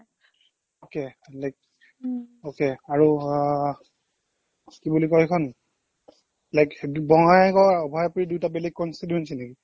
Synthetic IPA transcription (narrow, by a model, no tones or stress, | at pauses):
okelajk̚ | okeaɹu | kibulikɔjɛkʰɔn | lajkbɔŋajkɔɔbʱajpuɹidujtabelɛk̚kɔnsiduensineki